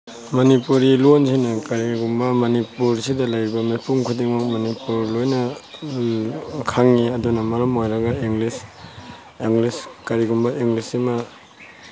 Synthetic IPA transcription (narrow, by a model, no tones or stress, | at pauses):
mɐnipuɾilonsinakaɾiɡumbamɐnipuɾsidalajɾibamajpuŋkʰudiŋmakmanipuɾlojnɐ | kʰaŋniɐdunamɐɾɐmojɾɐɡaiŋlis | iŋliskaɾiɡumbaiŋlisima